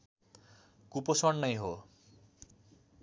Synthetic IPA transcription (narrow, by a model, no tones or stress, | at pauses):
kuposʌnnʌjɦo